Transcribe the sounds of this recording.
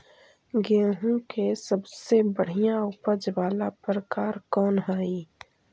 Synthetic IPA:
ɡeːɦũkesəbsebəɽ̤ijãʊpəd͡ʒʋaːlapɾəkaːɾkɔːnɦɛi

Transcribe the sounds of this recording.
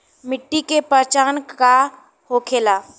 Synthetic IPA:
mɪʈːikepəɾt͡ʃaːnka | hoːkʰeːlaː

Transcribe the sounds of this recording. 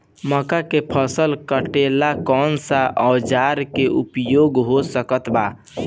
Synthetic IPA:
məkakepʰəsəlkəʈelakɔnsaʔəːd͡ʒaɾkeʔupjoɡɦosəkət̪ba

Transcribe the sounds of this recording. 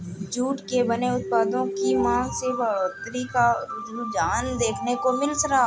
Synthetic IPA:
d͡ʒuːʈkebɐneʊt̪̚paːd̪õkimãːset̪ɾikaʊd͡ʒud͡ʒaːnd̪eːkʰnekomɪlsəɾa

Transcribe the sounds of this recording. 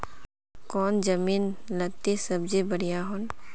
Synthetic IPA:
kɔːnd͡ʒɐmiːnlɐt̪esɐbd͡ʒebəɽijaɦon

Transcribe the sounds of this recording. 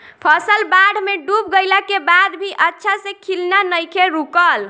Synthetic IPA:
pʰəsəlbaɽ̤ʱmeɖup̚ɡəjlakebad̪bʱiʔətːʃʰasẽkʰilnanəjkʰeɾukəl

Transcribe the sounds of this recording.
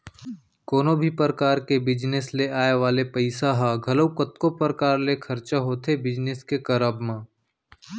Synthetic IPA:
koːnobʱipəɾəkaːɾkebɪd͡ʒnesleaːeʋaːlepɐɪsaɦaɡʱɐləʊkət̪kopəɾəkaːɾlekʰɐɾt͡ʃaɦoːt̪ʰebɪd͡ʒnɪskekɐɾəbmãː

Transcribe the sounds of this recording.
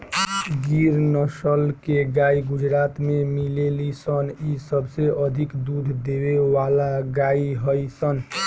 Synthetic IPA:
ɡiɾnəsəlkeɡaiɡud͡ʒɾat̪memilelisənisəbseʔəd̪ʱikd̪ud̪ʱd̪ewewalaɡaiɦəjsən

